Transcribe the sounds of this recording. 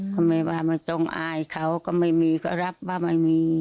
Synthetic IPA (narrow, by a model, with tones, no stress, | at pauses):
kɔ˧˩mɛː˧˩waː˧˩ma˧˩t͡ɕo˧ŋʔaː˧jkʰa˧˩˨wkɔ˧˩ma˧˩jmiː˧kʰa˧˩ɾa˦˥p̚waː˧˩ma˧˩jmiː˧